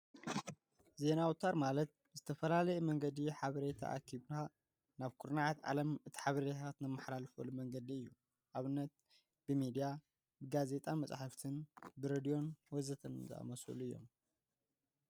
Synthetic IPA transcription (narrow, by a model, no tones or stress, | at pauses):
ze̞nawt̪ʰaɾmalɐt̪̚ | zɨt̪ʰɐfɐlalɐjɛmɐŋɡɐd̪iħaβɐɾet̪ʰa̰ʔa̰kʰiβna | naβkʰuɾnaʕat̪ʕa̰lɐmɨt̪ʰi̥ħaβɐɾet̪ʰat̪nɨmːaħlalfɐlumɐŋɡɐd̪iɨjːu | ʔaβɨnːɐt̪̚ | b̥ɨmid̪ija | bɨɡaze̞t̪ʼamɐt͡sʼħaft̪ʰɨnbɨɾed̪ijo̞nwɔzɐt̪ʰɐnzɨ̰a̰mɐsṵluɨjːo̞̰m